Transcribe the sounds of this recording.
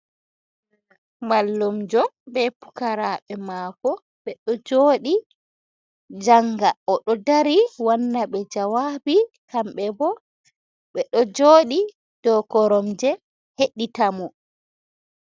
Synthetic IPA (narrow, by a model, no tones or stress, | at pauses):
malːumd͡ʒɔbɛpu̥kaɾaɓɛmaːkɔ | ɓɛɗɔd͡ʒoːɗi | d͡ʒaŋɡaɔɗɔdaɾiwanːaɓɛd͡ʒawabi | kamɓɛbɔ | ɓɛɗɔd͡ʒoːɗi | d̥ɔkɔɾɔmd͡ʒɛ | heɗːitamɔ